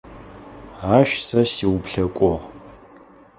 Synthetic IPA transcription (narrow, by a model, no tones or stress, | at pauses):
aːʃsɐsiwpɬɐkʷʼɔʁ